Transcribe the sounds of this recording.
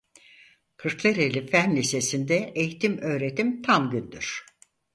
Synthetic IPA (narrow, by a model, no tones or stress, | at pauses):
kʰɯɾklˠɛɾelʲifænlise̞sind̪ɛʔejit̪ʰimø̞ːɾe̞t̪ʰimt̪ʰamɟynd̪yɾ̥